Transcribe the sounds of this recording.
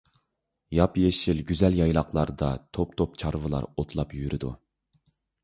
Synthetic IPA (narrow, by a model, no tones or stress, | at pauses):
jɑpjeʃilɡʲyzɛljɑjlˠɑqlˠɑɾd̪ɑ̰t̪ʰop̚t̪ʰopt͡ʃʰɑɾvɨlˠɑ̰ɾot̪ʰlˠɑpjyɾɪd̪u